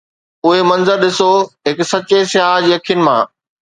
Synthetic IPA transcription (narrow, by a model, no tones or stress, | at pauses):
ʊɦemɐ̃nzəɾɗɪsoɦɪksɐt͡ɕesɪɦaːd͡ʑiːɐkʰijʊnɪ̆mã̰ː